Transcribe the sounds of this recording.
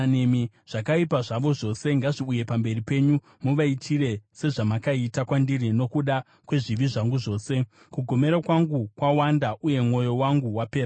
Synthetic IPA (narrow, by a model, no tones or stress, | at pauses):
nemi | ʐ̥akaipaʐaʋo̞ʐo̞se̞ŋɡaʐiuje̞pambe̞ripe̞ːɲu | muʋaitʰire̞se̞ʐamakaitakwandiɾino̞kuɗa | kwe̞ʐiʋiʐaŋɡuʐo̞ːse̞ | kuɡʱo̞me̞ɾakwaŋɡukwawandaʔuje̞mŋo̞jo̞waŋɡuwape̞ːɾa